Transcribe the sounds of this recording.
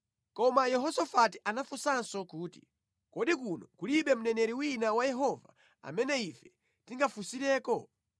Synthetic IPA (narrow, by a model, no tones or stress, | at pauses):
kɔmajɛɦɔsɔfatiʔanafusansɔkuːti̥̰ | kɔɗikunɔkuliɓɛm̩nɛnɛɾiwinawajɛɦɔva̰ | a̰mɛnɛifɛ | tiŋɡafusiɾɛːkɔ